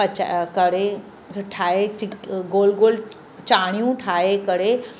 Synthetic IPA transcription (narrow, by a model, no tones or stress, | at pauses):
ət͡ʃa̰kəɽe | ʈʰaeiɡoːlɡol | t͡ʃaɽ̃ijũʈʰaekəɽe